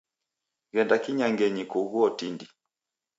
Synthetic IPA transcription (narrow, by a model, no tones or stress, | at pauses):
ɡɛndakiɲaŋɡɛɲikuɣuɔtindi